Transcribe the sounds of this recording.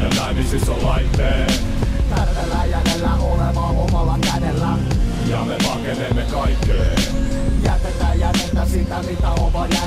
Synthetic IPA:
elæmisisːollɑit̪ːeː | t̪ærmelːæjænelːæolemɑomɑlːɑkænelːæ | jɑmepɑkenemːekɑikːeː | jæt̪et̪ːæjætet̪ːæsit̪ːæsit̪ːæomɑjæ

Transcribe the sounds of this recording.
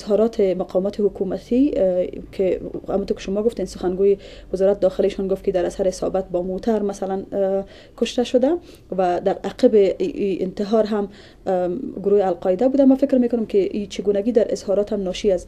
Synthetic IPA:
ɪzɦɔɾɔt̪ʰɪmaqʰɒmɔt̪ʰɪhʊkumat̪ʰikʰeha̰mut̪oɾkɪ̥ʃʊmɔɡʊft̪ensʊxanɡojɪ | wɪzɔɾat̪ɪd̪ɔxɪleʃɔnɡoft̪ked̪aɾasaɾɪsɔ̰bat̪̚bɔmot̪ʰaɾmasalan | kʊʃt̪aʃʊd̪a | wad̪aɾaqɪbɪiɪ̰nt̪ɪɦɔɾɦam | ɡʊɾojɪalqɔɪd̪abud̪amafɪkɾmekʊnʊmkɪʔit͡ʃɪɡunaɡid̪aɾʔɪ̰z̥hɒɾɒt̪hamnɔʃias

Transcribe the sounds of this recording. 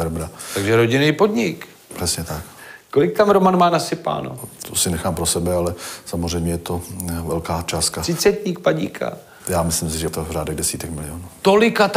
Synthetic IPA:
ɛɾbɾat̪aɡʒɛɾo̞ɟɪnejpodɲɪk | pr̥ɛsɲɛt̪ak̚ko̞lɪk̚t̪amɾomanmaːnasɪpa̰ːno̰t̪ʰosɪnɛxaːmpɾosɛbɛalɛsamozr̝ɛjmɲɛjɛt̪o̞vɛlkaːt͡ʃaːskḁɪt͡sɛt̪ɲiːk̚paɟḭkʰa̰ | jaːmɪslɪmsɪʒɛt̪ovraːdɛɣdɛsiːt̪ɛkmɪlɪonuːt̪olɪkat̪

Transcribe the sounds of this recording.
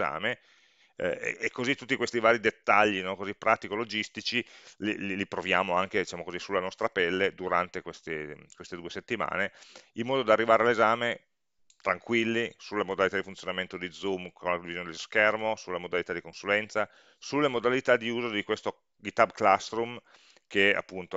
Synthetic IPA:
a̰ːme | ekːozit̪ːut̪ːikwest̪ivaːɾid̪et̪ːaʎːinɔkozipːɾʔaːt̪ikolod͡ʒist̪it͡ʃilḭlilipɾovjaːmoaŋk̟ed̪it͡ʃaːmokozisulːanɔst̪ɾapɛlːed̪uɾant̪ekwest̪ekwest̪ed̪uːeset̪ːima̰ːneilmɔːd̪od̪arːivaːɾealezaːme | t̪ɾaŋkwilːisulːemod̪alit̪ad̪ifunt̪sjonament̪od̪id̪zumkʰonlakd̪ivizoned̪eloskɛrmosulːamod̪alit̪ad̪ikonsulɛnt̪sa | sulːemod̪alit̪ad̪iuːzod̪ikwest̪o | ɡit̪abklast̪ɾum | kea̰pːunt̪o

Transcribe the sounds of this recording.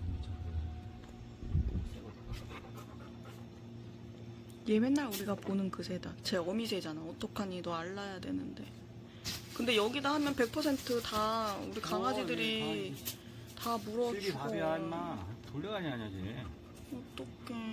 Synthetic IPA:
je̞me̞nːaɾuɾiɡaponɯnkɯs̬ʰe̞dat͡ɕe̞ʌmisʰe̞d͡ʑanaʌt͈ʌkʰaɲinʌaɭːajadwe̞̰nɯnde̞̰ | kɯnde̞jʌɡidahamjʌnpe̞k̚pʰʌsʰe̞ntʰɯtauɾikaŋad͡ʑidɯɾi | tamuɾʌaiamatoʎːʌɡaɲiaɲaɡe | ʌt͈ʌkʰe̞

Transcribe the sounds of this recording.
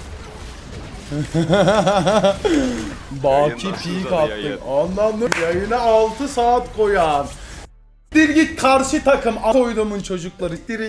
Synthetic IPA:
baːcʰipʰiːkat̪ːɯmanlˠand̪ɯjajɯnaːlˠt̪ʰɯsaːt̪kʰo̞jan | d̪iɾɟitkʰaɾʃɯt̪ʰakʰɯmako̞jd̪umunt͡ʃʰo̞d͡ʒuklˠaɾɯd̪iɾ

